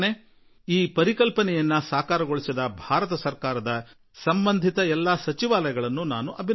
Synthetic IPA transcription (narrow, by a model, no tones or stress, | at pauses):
ne | iːpɐɾikɐlpɐnɛjɐnːɐsaːkaːɾɐɡoɭisid̪ɐbʱaːɾɐt̪ɐsɐɾkaːɾɐd̪ɐ | sɐmbɐnd̪ʱit̪ɐɛlːɐsɐt͡ʃiʋaːlɐjɐɡɐɭɐnːunaːnuʔɐbʱi